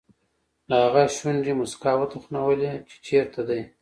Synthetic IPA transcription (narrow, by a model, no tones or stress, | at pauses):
lahaɣaʃwanɖimuskɑwət̪uxnawəlet͡ʃe̥t͡ʃeɾt̪ʰad̪aj